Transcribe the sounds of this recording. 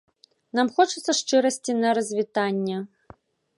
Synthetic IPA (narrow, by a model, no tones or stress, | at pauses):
namxɔt͡ʂɨt̪sːɐʂt͡ʂɨɾɐsʲt͡sʲinɐɾɐzʲvʲit̪anʲːɛ